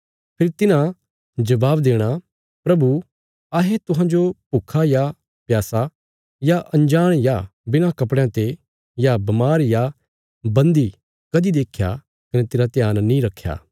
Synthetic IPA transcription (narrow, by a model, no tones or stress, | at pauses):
pʰɪɾit̪ɪnã | d͡ʒɐbaːbd̪eːɽ̃a | pɾɐbu | aɦet̪ʊɦãːd͡ʒopuːkʰaja | pjaːsa | jaʔɐ̃ɲd͡ʒaːɽ̃jabɪñãkɐpɽjãt̪e | jabɐmaːɾja | bɐ̃nd̪i | kɐd̪id̪eːkʰja̰ | kɐnɛt̪ɪɾat̪ɪjaːnːĩɾɐkʰːja̰ː